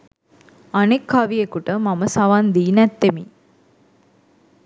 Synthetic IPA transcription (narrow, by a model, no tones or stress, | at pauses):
ɐnekhɐʋiekuʈəmɐməsɐʋand̪iːnɛt̪ːemi